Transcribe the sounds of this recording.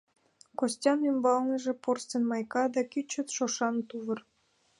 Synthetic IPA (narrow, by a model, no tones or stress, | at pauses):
kosʲtʲɑnymbɑlnɤ̆ʒĕporst̪ʲĕnmɑjkɑd̪ɑkʲyt͡ɕːə̆t̪ʃoʃɑnt̪uβɤ̆r